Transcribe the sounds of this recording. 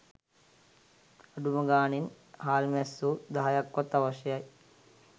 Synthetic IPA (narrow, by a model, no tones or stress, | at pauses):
ɐɖumɐɡaːnin | haːlmesːud̪aːjɐkʋɔt̪ːɐʋɐʃjɐj